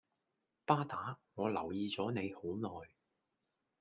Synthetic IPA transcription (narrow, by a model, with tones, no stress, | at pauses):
paː˥t̪aː˨˥ŋɔː˨˧lɐ˨˩wjiː˨˧t͡sɔː˨˥ne˨˧jho˨˥wnɔː˨˩j